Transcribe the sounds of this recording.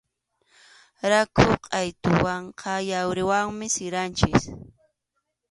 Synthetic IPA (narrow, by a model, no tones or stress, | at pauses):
ɾakʰʊqʼɑjt̪ʊwaɴqʰɑjawɾɪwaŋmɪsɪɾant͡ʃɪs